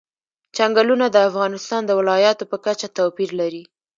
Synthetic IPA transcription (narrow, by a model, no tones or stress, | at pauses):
t͡ʃaŋɡalunad̪əafɣɑnɪst̪ɑnd̪əwɪlɑjɑt̪opəkat͡ʃat̪apiɾlaɾi